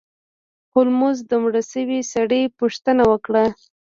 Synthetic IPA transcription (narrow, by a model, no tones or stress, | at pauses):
hʊlmʊzd̪əmɽasəwisaɽəjpuʂt̪ənawəkɽa